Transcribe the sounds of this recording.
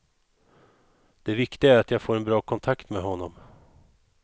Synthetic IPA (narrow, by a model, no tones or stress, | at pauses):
d̪̥ɛvɪkt̪ɪɡaæɾat̪jɑɡfoːɾɛnbɾɑːkʰɔnt̪ʰakt̪mɛɦɔnːɔm